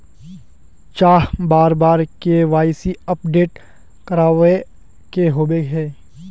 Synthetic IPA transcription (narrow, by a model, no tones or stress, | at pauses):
t͡ʃaːɦbaːɾbaːɾkeʋaːɪsiəp̚ɖeːʈ | kəɾaːʋe | keɦoːbeɦɛ̃ː